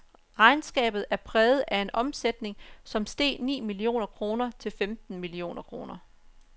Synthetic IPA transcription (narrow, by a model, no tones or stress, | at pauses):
ʁɑ̈ɪnsɡ̥ɛ̰ːb̥ð̩ˠæɐpʰʁɛːð̞̩ˠʔæe̝nʔɒ̽msed̥ne̝ŋsɒ̽msd̥e̝̰ːnḭːmilio̝̰ːnɐkʰʁo̝ːnɐt͡sʰe̝lfemd̥n̩milio̝̰ːnɐkʰʁo̝ːnɐ